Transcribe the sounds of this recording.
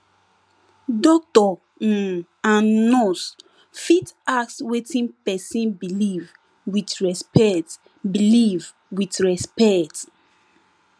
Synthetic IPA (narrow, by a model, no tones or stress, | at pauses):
dɔk̚tɔ | ãnnɔs | fitakswetĩnpɛsĩnbiliv | witɹɛspɛt | biliv | witɹɛspɛkt